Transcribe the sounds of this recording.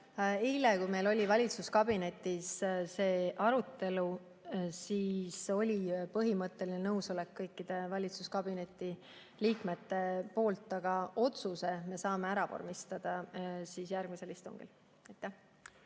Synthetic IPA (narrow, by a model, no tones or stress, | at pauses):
ijlekujme̞jlo̞lʲivɑlʲit̪suskɑb̥ine̞t̪ːˑisse̞ːʔɑɾut̪ːe̞lu | siːso̞lʲipɤɦimɤt̪ːe̞linenɤwso̞le̞kːɤjkːid̪̥e̞vɑlʲit̪suskɑb̥ine̞t̪ːˑi | liːkme̞t̪ːe̞po̞ːlt̪ːˑɑɡ̥ɑʔo̞t̪suse̞me̞sɑːme̞æɾɑvo̰rmist̪ɑd̪̥ɑsiːsjærɡ̥mise̞list̪uŋɡ̥ḭl | ɑjt̪ːˑæh